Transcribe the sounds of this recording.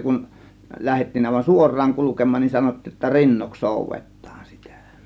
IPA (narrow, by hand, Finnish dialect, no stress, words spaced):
kun læhetːiːn ɑˑe̝ʋɑn suorˑɑːŋ kulukemˑɑːn nin sɑnotːiːj jotːɑ rinːoks soˑuʋetˑɑːn sitæ